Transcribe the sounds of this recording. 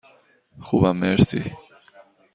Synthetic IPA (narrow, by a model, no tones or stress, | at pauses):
xuβameɾsḭ